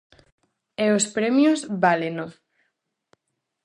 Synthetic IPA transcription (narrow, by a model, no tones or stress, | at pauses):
eospɾemjozβaleno